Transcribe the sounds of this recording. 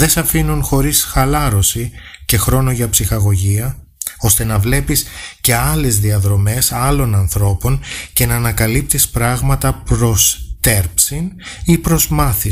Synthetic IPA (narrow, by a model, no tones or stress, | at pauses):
ðe̞sɐfinunxo̞ɾisxɐlɐɾosice̞xɾo̞no̞ʝɐpsixɐɣo̞ʝiɐ | o̞st̪e̞nɐvle̞pisce̞ɐle̞zðiɐðɾo̞me̞sɐlo̞nɐnθɾo̞po̞nce̞nɐːnɐkɐlip̚t̪ispɾɐɣmɐt̪ɐpɾo̞st̪e̞ɾpsinipɾo̞zmɐθi